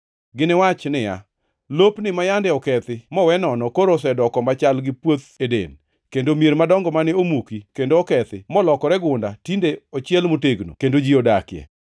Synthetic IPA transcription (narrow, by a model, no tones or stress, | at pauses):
ɡɪnɪwat͡ʃnɪja̰ | lopnɪmajandɛɔkɛt̪ɪmɔwɛnɔnɔkoɾosɛdɔkɔmat͡ʃalɡɪpwot̪edḛn | kendomjeɾmadɔŋɡɔmanɪomukikendoɔkɛt̪ɪmɔlɔkɔɾɛɡʊndatindeɔt͡ʃjɛlmoteɡno̰kendod͡ʒiodakjɛ̰